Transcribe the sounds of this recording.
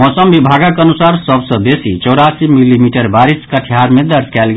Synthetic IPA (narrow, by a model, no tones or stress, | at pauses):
mɔsəmbibʱaɡakənusaɾsəbsə̃besḭt͡ʃɔɾasimilimiʈəɾbaɾiskəʈʰjaɾmed̪əɾd͡ʒkɛlɡe